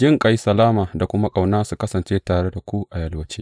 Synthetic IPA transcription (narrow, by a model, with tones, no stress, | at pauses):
d͡ʒɪ˦ŋkʼa˨jsɐ˨laː˦maː˨da˨kʷʊ˦ma˦kʼa˨wnaː˦su˨kɐ˦sɐ˨nt͡ʃeː˦taː˨ɽe˦da˨kʷu˦ʔa˨jɐ˨lwɐ˦t͡ʃeː˦